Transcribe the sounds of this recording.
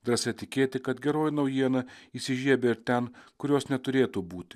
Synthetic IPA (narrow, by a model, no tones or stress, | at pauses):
d̪ɾɐsʲɛt̪ʲɪkʲeːt̪ʲɪkɐt̪ɡʲɛɾoːjnɒʊjiɛnɐiːsʲɪʒʲiɛbʲeɪɾt̪ʲɛnkʊɾʲoːsnʲɛt̪ʊɾʲeːt̪uːbuːt̪ʲɪ